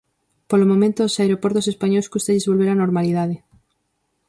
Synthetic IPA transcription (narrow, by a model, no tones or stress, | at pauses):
polomõmẽnt̪oːsaeɾopoɾt̪osespaɲowskust̪aʎezβolβeɾanoɾmaliðaðe